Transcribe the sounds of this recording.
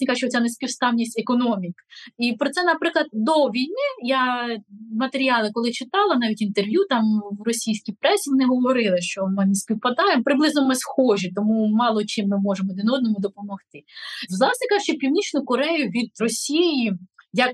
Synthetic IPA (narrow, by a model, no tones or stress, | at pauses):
nʲikɑʒʊt͡ʃɛɔt͡sʲanesʲpʲiwst̪ɑwnʲisʲtʲɛkɔnɔmʲikipɾɔt̪sɛnɐpɾɪklˠɐd̪̚d̪ɔʋʲijnɪja | mɐt̪eɾʲiɑlˠɪkɔlˠɪt͡ʃɪt̪ɑlˠɐnɑʋʲitʲint̪erʋjut̪ɑmwrɔsʲijsʲkʲijpɾɛsʲiʋɔnɪɦɔʋɔɾɪlˠɪʃt͡ʃɔmɪnesʲpʲiwpɐd̪ɑjemɔpɾɪblˠɪznɔmɪsxɔʒit̪ɔmumɑlˠɔt͡ʃɪmːɪmɔʒemɔd̪ɪnɔd̪nɔmʊd̪ɔpɔmɔxt̪ɪzlˠɑsʲnʲikɑʒʊt͡ʃɔpʲiwnʲit͡ʃnʊkɔɾɛjʊʋʲid̪̚rɔsʲijijɐk